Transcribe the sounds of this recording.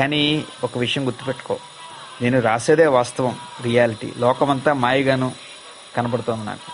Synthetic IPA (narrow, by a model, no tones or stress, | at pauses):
kaːniɔkɐʋiʂɐjɐmɡuɾt̪ːupeʈːu̥ko̞̰ː | ne̞ːnuɾaːseːd̪eːʋaːst̪ɐʋɐmɾijaːliʈḭːlɔːkɐmɐnt̪aːmaːjiɡaːnu | kɐnɐpɐɽut̪oːnd̪ina̰ːku̥